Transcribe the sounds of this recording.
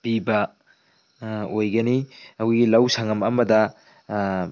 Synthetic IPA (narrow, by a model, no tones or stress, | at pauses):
b̥ibɐ | ojɡɐniɐwɡilɐwsɐŋɐmɐmɐdɐ